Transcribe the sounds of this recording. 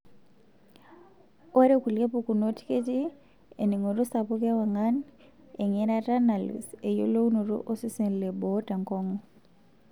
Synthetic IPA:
o˦ɾe˦ku˨le˦poku˨no˦ti̥˦ke˦ti˦ | ḛni˨ŋo˨ɾo˦sapu˦ke˦wa˨ŋan | eŋɛɾata˦na˨lṵse˨jo̰lo˦u˦no˨ɾo̰˦ʔo˦si˦se˨n˨le˨bɔta˨ŋkɔ˦ŋɔ

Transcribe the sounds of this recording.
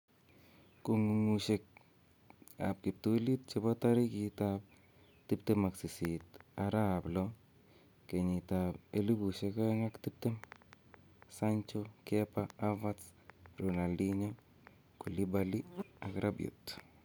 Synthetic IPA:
ku˧ŋu˧ŋu˧ʃe˧k̚ | a̰˨p̚ki˨p̚t̪u˧li˦t̪̚t͡ʃe˧ba˦t̪a˦ɾi˦ki˧t̪ap̚ | t̪i˦pt̪e˦ma˨ksi˨si˨t̪a˧ɾa˦blo˦ | ke˨ɲi˨t̪abe˦li˦bu˨ʃe˧ka˦ŋa˦kt̪i˦p̚t̪e˦m | sant͡ʃoke˦paa˦vat͡s | ɾu˨na˨li˦ɲo | ku˨li˦ba˧li˦akɾʔa˦bjṵ˨t̪

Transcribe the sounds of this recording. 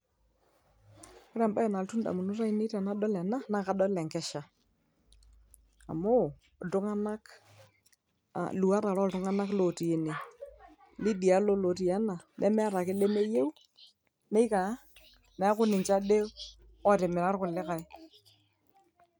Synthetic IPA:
kʊ˦ɾɛ˨mba˦ɛ˨na˨ltu˦nda̰˨mu˨nu˦ɾa˦i˦ni˦ɾa˨na˦ɗɔ˦lɛ˨na˦na˦˨ka˨ɗɔ˦lɛ˨ŋkɛ˦ʃa˨ | a̰˨mo˦˨ | tʊ˦ŋa˦na˦k | a̰˨lu˨a˦ɾa˨ɾɔ˦ltʊ˦ŋa˦na˦klo˨ti˨e˨ne˨ | lɪ˦di˨a˦lo˦lo˨ti˨ja˦na˨lʔɛ̰˦mɛ˦ɾa˨kɪ˦le˦me˦je˦w | ne˦i˦ka˨˦ | na˨˦kʊ˦nɪ˨t͡ʃa˦de˦ | ɔ˦˨tɪ˨mɪ˨ɾa˦ɾkʊ˨lɪ˦ka˨ɪ˦

